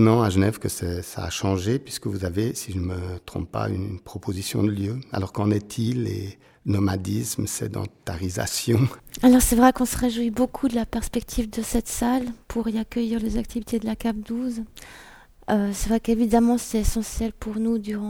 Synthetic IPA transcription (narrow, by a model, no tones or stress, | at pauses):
nɑ̃aʒənɛvkəsɛsa̰ːʃɑ̃ʒepɥiskəvuzavesiʒənmət̪χɔ̃p̚pa̰y̰npχɔpʰozisjɔ̰̃d̪əljøa̰lɔʁkɑ̃nɛt̪ʰilḛ | nɔmad̪ismsɛ̰d̪ɑ̰̃t̪aʁiza̰sjɔ̃alɔʁsɛvʁɛkɔ̃səʁeʒwibokʰud̪əlapɛʁspɛkt̪ʰivd̪əsɛt̪salpʰuʁiakʲœjiʁlezakt̪ʰivit̪ed̪əlakap̚d̪uz | øsɛvʁɛkevid̪amɑ̃sɛesɑ̃sjɛlpuʁnud̪yʁɑ̃